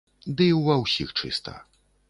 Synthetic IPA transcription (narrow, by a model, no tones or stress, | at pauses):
d̪ɨwɐwsʲixt͡ʂɨ̰st̪ʰɐ̰